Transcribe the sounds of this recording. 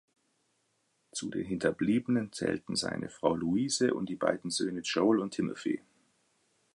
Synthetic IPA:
t͡sudeːnɦɪntʰɐbliːbənənt͡sɛ̰ːltn̩za̰ɪnʔə̰fʁ̥aʊluiːzəʔʊ̰ntd̥iːba̰ɪdn̩zøːnət͡ʃoʊlʊntʰːɪmə̰fḛː

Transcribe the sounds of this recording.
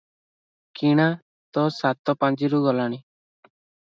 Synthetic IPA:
kiɽ̃a | t̪ɔsat̪ɔpand͡ʒiɾuɡɔlaɽ̃i

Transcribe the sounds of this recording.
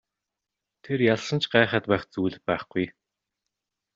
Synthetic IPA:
t̪ʰerjaɮsə̆nt͡ɕɢaːχə̆ːt̪pæːχt͡suːɮɘ̆pæːχɡuj

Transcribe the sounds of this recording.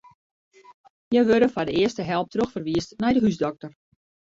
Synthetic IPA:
jɛjʋøɾəfadəɪəstəɦɛlˠp̚trøxfərʋiəstnɛjdəɦysdɔk̚tər

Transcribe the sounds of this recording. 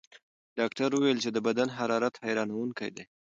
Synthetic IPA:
ɖ̥ɑkʈaɾwuwelt͡ʃed̪əbad̪anɦaɾɑɾat̪hajɾɑnawuŋka̰jd̪ḛ

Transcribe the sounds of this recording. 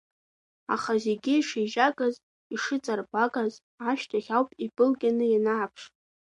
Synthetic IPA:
a̰χazeɡʲɪiʂiʒakʼaz | iʂɨt͡sʼarbakʼaz | aʃtʰaχʲawpʼibʼɨlɡʲʼanɨjanaapʰʂ

